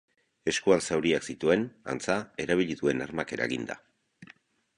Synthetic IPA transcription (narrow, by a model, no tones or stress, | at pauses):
e̞skualsawɾiaksit̪ue̞na̰nt͡sae̞ɾaβ̞iʎiðue̞narmake̞ɾa̰eɣind̪a̰